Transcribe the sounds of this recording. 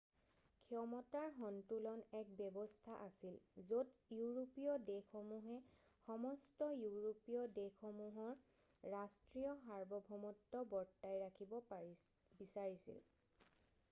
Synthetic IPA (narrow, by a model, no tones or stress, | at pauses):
kʰiɔmɔtaɹɦɔntulɔnɛk̚bɛbɔstʰaʔasilzotjuɹopiɔdexɔmuɦɛ | xɔmɔstɔjuɹopiɔdexɔmuɦɔɹː | astɹijɔɦaɹbɔbʱɔmɔtːɔbɔɹtːajɹakʰibɔ | bisaɹisḭl